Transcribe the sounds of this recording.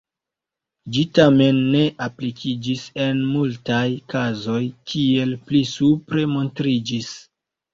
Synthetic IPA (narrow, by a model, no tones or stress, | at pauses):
d͡ʒitame̞nːe̞ʔaplikʰid͡ʒise̞nmultajkazo̞jkʰie̞lplisupɾe̞mo̞ntɾid͡ʒis